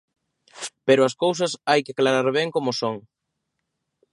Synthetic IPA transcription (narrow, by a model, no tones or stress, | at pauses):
peɾʊɐskowsɐsajkeaklaɾaɾβɛŋkomʊsoŋ